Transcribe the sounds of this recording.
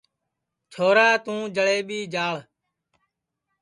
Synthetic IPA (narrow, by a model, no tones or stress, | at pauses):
t͡ʃʰoːɾaːt̪ũːd͡ʒəɭeːɓiːd͡ʒaːɭ